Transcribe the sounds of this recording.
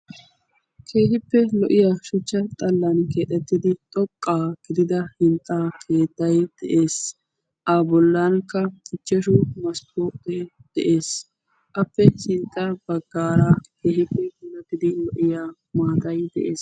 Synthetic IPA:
kʰe̞ːhɪpːɛlɔʔɪjaːʃʊt͡ʃːɐt̪ʼɐlːɐnke̞ːt̪ʼːɛt̪ːɪd̪ɪt̪ʼɔkʼːaːɡ̥ɪd̪ɪd̪ɐhɪnt̪ʼːaːkʰe̞ːt̪ːɐjd̪̥ɛʔeːs | ʔaːbɔlːaːnkːɐkʼɪt͡ʃːɛʃʊmɐspoːpːɛd̪̥ɛʔeːs | ʔɐpːɛsɪnt̪ʼːɐb̥ɐɡːaːɾake̞ːhɪpːɛnɐt̪ːɪd̪ɪlɔʔɪjaː | maːt̪ɐjd̪ɛ̰ʔḛːs

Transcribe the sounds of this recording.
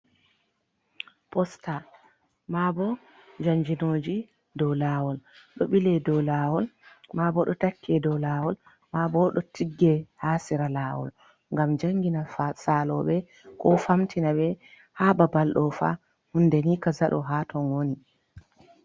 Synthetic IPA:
pɔsta | mabɔ | d͡ʒaɲd͡ʒinoːd͡ʒi | dɔwlawɔlɗɔɓilɛdɔlaːwɔlmabɔɗɔtakʰːɛdɔwlaːwɔl | mabɔɗɔtiɡːɛhaːsiɾalaːwɔ̰l | ŋɡamd͡ʒaŋɡinasalɔɓɛ | kɔfamtʰinaɓɛ | hababalɗɔfa̰ | hundɛnikazaɗɔ̰ɦatʰɔnoni

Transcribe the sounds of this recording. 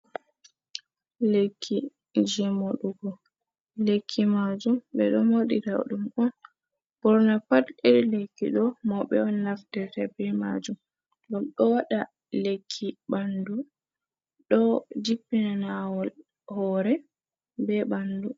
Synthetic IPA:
lekʰːi | d͡ʒɛmɔɗuɡɔ | lekʰːimad͡ʒumɓɛɗɔmoɗita̰ɗumʔɔn | b̥ɔɾnapateɾilekːiɗɔmɔɓɛɔnlafdɛtɛbɾima̰d͡ʒum | ɗɔmɗɔwaɗa | lekʰːibandu | ɗɔd͡ʒipːinanawɔl | hɔɾɛ | bɛbandu

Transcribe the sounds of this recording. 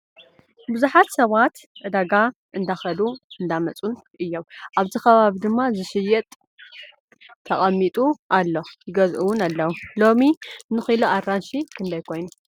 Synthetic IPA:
bɨzuħat̪sɐβat̪ʕɨd̪aɡa | ʔɨnd̪axɐd̪uɨnd̪amɐt͡sʼunʔɨjːo̞mʔaβzikʰɐβaβid̪ɨmːazɨsɨjɛt̪ʼ | t̪ʰːɐχʼɐmːit̪ʼuʔalːo̞jɪɡɐzʔuwunalːɐwulo̞minɨxiloʔaɾːanʃikʰɨnd̪ɐjkʰo̞jnu

